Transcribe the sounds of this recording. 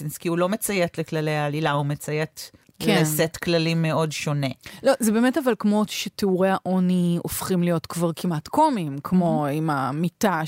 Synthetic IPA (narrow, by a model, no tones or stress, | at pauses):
inskiulo̞met͡sajetleklaleaːlilaumet͡sajet | kʰleensetklalimːeo̞dʃonelo̞zebeːmetavalkmo̞ʃeteuʁehaʔoniofχimlijo̞tkvaʁkʰimatkomimkʰmo̞imamita